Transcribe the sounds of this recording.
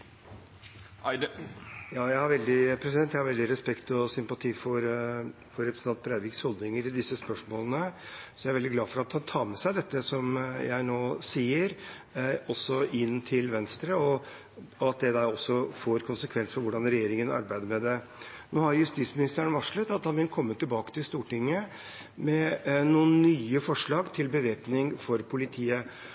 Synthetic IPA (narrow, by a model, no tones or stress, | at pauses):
jɑːjæɪhɑɾʋɛld̪ɪpʰɾɛsɪd̪ɛnt̪jæhɑɾʋɛld̪ɪɾɛspɛkt̪ɔsʏmpɑt̪ʰiːfɔɾ | fɔɾɛpɾəsɑnt̪̚bʰɾæɪʋɪkshɔld̪nɪŋəɾɪd̪ɪsːəspœʂmoːlənəsɔjæɪɾʋɛld̪ɪɡlɑːfɔɾɑt̪hɑnt̪ʰɑːmɛsæɪd̪ɛt̪ːəsɔmjæ̰ɪnoːsiːəɾ | ɔsːɔɪnt̪ʰɪlʋɛnst̪ɾəɔ | ɔɑt̪̚d̪ɛd̪æɾɔsːɔfoːɾkʰʊnsəkʰʋɛnsəfɔɾʋʊɖɑnɾɛjeːɾɪŋənɑ̰ɾbæɪd̪əɾmɛd̪ɛ | noːhɑɾjʉst̪it̪smɪnɪst̪əəɳʋɑʂɭət̪ɑt̪hɑnʋɪlnkʰɔmːət̪ɪlbɑːkə̥t̪ɪlst̪uːʈɪŋːə | mɛnuːənːyːəfɔʂɭɑːɡt̪ʰɪlbəʋeːpnɪŋfɔɾpʰʊlɪt̪ʰiːə